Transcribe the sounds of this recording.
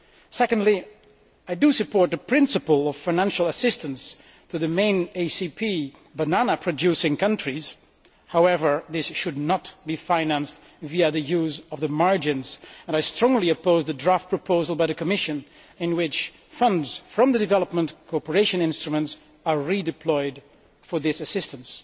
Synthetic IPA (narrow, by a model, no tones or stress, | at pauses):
sɛkə̃n̩dˡli | aɪdɨsɨpʰɔɹt̪̚ðəpʰɹ̥ɪ̃nsɨpəl̩ˠʌv̥fãɪ̃næ̃nʃl̩ˠəsɪstɨ̃ns | tʰɨðɨmẽɪ̃neɪsipʰi | bənænəpʰɹ̥ɨdʉsɪ̃ŋkʰʌ̃ntɹ̥iz̥ | haʊɛvə˞ðɪsʃɨdⁿnət̚b̥ifãɪnæ̃nst | viɨðɨjʉzʌvðɨmɑɹd͡ʒɨ̃nzə̃naɪstɹ̥ɔ̃ŋliɨpoʊzɨdɹaft̚pʰɹ̥ɨpʰoʊzəl̩ˠbaɪðɨkʰɨmɪʃɨ̃n | ɨ̃nwɪt͡ʃ | fʌ̃ndz̥fɹʌ̃mðɨdɨvɛlˠəp̚mə̃nkʰɔpə˞eɪʃɨ̃nɪ̃nstɹ̥ɨmə̃nts | əɹidɨpʰl̥ɔɪd | fə˞ðɪsɨsɪstə̃ns